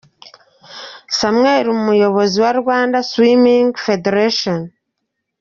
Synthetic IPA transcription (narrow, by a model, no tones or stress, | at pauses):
samŋeːɾimumujo̞βo̞ziwaɾɡaːndaswimiŋɡfedeɾaʃon